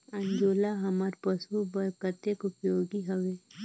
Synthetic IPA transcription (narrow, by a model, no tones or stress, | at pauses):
ɐ̃ɲd͡ʒoːlaɦɐmaɾpəsubɐkət̪ekʊpjoːɡiɦɐʋeː